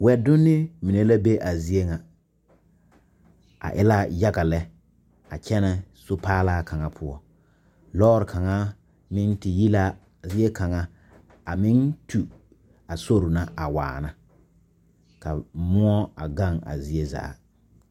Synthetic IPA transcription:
wɛ˨dʊ˦nːɪ˦mi˨ne˦la˦be˦ʔa˨zi˦e˦ŋa˨ | a̰˨ʔɪ̰˦la˦ja˦ɡa˨lɛ˦ | a̰˨t͡ʃɛ˦nɛ˨sʊ˦paː˦laː˦kʰa˨ŋa˨pʰʊ˦ɔ˦ | lɔː˦ɾɪ˨kʰa˨ŋa˦ | mɪ˦n˦tɪ˨ji˦la˦ | zi˦e˦ka˨ŋa˦ | a˨mɪ˦ntʰu˨ | a˨so˦ɾʊ˨na˦ʔa˨wa̰ː˨na˦ | ka˨mʊ˦ɔ˦a̰˨ɡa˦˨ŋa̰˨zi˨e˦za̰ː˨˦

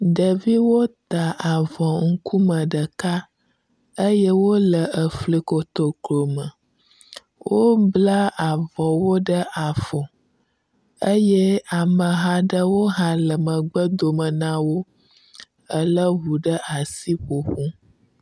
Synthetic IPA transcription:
ɖə˨vi˦wo˦t̪a˨ʔa˨vɔ̃˨ŋ̩˦ku˦mə̃˨ɖə˨ka˦ | ə˦jɛ˦wo˦lə˨ʔə˨fli˨ko˨t̪o˨klo˨mə˨ | wo˦bla˦a˨vɔ˨wo˦ɖə˦ʔa˨fɔ̃˨ | ə˦je˦a˨mə̃˨ɦã˦ɖə˦wo˦ɦã˦lə˨mə̃˨ɡ͡bə˦d̪o˨mə˨nã˦wo˦ | ə˦lə˦βu˨ɖə˦ʔa˨si˦ɸo˨ɸũ˦

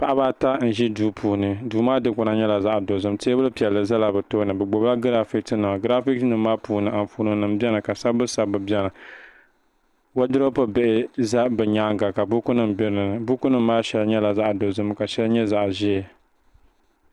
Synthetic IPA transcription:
pa˦˨ʔa˦baː˦ta˦n̩˨ʒi˦duː˨˦pʰuː˨nɨ˨duː˨maː˦dɨ˦kʊ˨na˦ɲɛ˦la˨za˦ʔdo˨zɨ˦m˦teː˦bɨ˦lɨ˦pi˨ɛ˨lːɨ˨za˦la˨bɛ˨toː˦nɨ˨bɛ˨ɡ͡bo˨ba˦ɡɨ˦ɾa˦fi˦k̚tnɨ˨m˨ɡɨ˦ɾa˦fi˦k̚tnɨ˨m˦maː˦puː˨nɨ˨ʔa˨m˨fuː˦nɨ˨nɨ˨m̩˦bɛ˦nɨ˨ka˨sa˦bbɨ˦sa˨bɨ˨bɛ˦na˨ | wa˦dɨ˦ɾo˦pɨ˦be˦ʔɪ˦za˦bɛ˨ɲaː˦ŋɡa˨ka˨bu˦ku˦nɨ˦m˨bi˦ɾnɨ˨nɨ˨bu˦ku˦nɨ˦m̩ː˦aː˦ʃɛ˦lɲɛ˦la˨za˦ʔdo˨zɨ˦m˦ka˨ʃɛ˦lɲɛ˦za˨ʔʒɛ˦˨

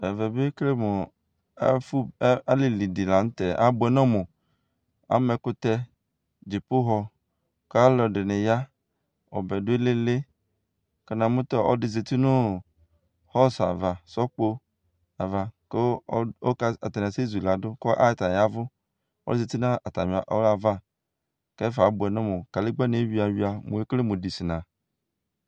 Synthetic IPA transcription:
ɛ˨vɛ˨be˦kle˦mʊ˨˦ | fu˦a˦le˨li˨di˨la˨n̩˦t̪ɛ˨a̰˦bʊ˨ɛ˨nɔ̃˦mʊ˨ | a̰˦mɛ˨kʊ˦t̪ɛ˦ | d͡ʒi˨pʊ˦ɦɔ˦ | ka˦lɔ˨dɪ˨nɪ˨ja˦ | ɔ̰˨bɛ˨dʊ˦e˦le˦le˦ | ke˦nã˨mʊ̃˦t̪ɔ˦ɔ̰˦dɪ˨ze˨t̪i˦nʊ˦ | hɔ˦˨sa̰˨va˨sɔ˦k͡po˦ | a˨va˨ke˦o˦a˦a˨ta˨n˨se˦˨zu˨la˨dʊ˦kɔ˦ʔa̰˦˨ta˨ja˦vʊ˦ | ɔ̰˦lɪ˦ze˨ti˦nã˦a˨ta̰˨m˨a˨ʔɔ̰˦a˨va˦ | kɛ˦fa˨˦bʊ˨ɛ˨nɔ˦mʊ˨ka˨lɪ˦ɡ͡bɛ˦ne˨˦wi˨˦a˨wi˦a˨mʊ̃˨e˦kle˦mʊ˨di˨sɪ˨nã˨

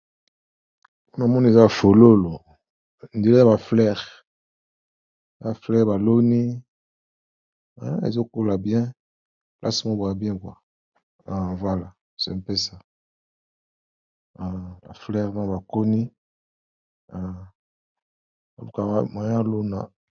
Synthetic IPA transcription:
u˦n˨a˨mɔ˦ni˦e˨za˦˨fo˨lo˦lo˨ | n˨de˨le˦a˦˨ba˨flɛ˦ʁ | a˦ba˨flɛ˦ʁba˨lo˦ni˦ | a˦ḛ˨zo˦ko˦la˨bjɛ̃˦ | lʔa˦si˨mo˦bo˨a˨bjɛ̃˦kwa˨ | ã˨vwa˦la˨ | sḛ˨m˨pe˦sa˨ | a˨ba̰˨flɛ˦ʁma˦˨ba˨ko˦ni˦ | a˨ | ba˨lu˨ka˨˦ma˨ja˦lo˦na˨

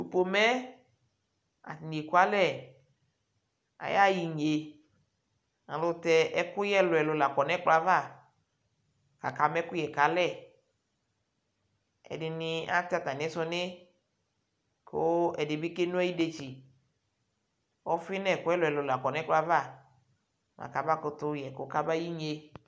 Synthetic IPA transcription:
u˨po˨mɛ˦ | a̰˨ni˨e˨ku˦a˦lɛ˦˨ | a̰˨ja˦ji˨ɲ˨e˨ | ŋã˨lʊ˨˧tɛ˨˧ɛ˦kʊ˦jɛ˦lʊ˨ɛ˨lo˨la˨kɔ˨nɛ˦k͡pla˦va˦˨ | ka̰˨ka˨mɛ˦kʊ˦jɛ˨ka˨˦lɛ˦˨ | ɛ̰˨dɪ˨ni˨˧a˦t̪a˦t̪a˨n˨ɛ˦sɔ˧ne˦ | kʰo˦ɛ˨de˨bi˦ke˦nũ˦ɛ˦i˦de˧t͡ʃi˨ | wɔ˦fi˦nɛ˦˨kʊ˦ɛ˦lʊ˨ɛ˨lo˨la˨kɔ˨nɛ̃˦k͡pla˦va˦˨ | mʔã̰˨ka˨ba˦ko˧t̪ʊ˦jɛ˨ko˨˦ka˦ba˦ji˦ɲe˧

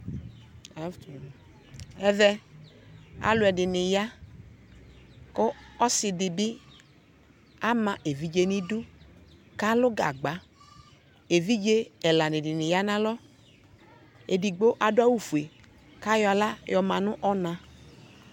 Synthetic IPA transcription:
ɛ˦vɛ˧ | a̰˨lʊ˨˦ɛ˨dɪ˨nɪ˨ja˦ | ko˦ɔ˦sɪ˨dɪ˨bɪ˦ | a˦mã˨ʔe˨vi˨˦d͡ʒe˦ni˦du˦ | ka˦lʊ˦ɡa̰˨ɡ͡ba˨ | e˨vi˦d͡ʒe˦ɛ˨la˨nɪ˨dɪ˨nɪ˨ja˦nã˦lɔ˦ | e˨di˨ɡ͡bo˦ʔa˨dʊ˦a˦wu˨fu˨e˨ | ka˦jɔ˨a˨la˦jɔ˨mã˨nʊ̃˦ʔɔ˦nã˧

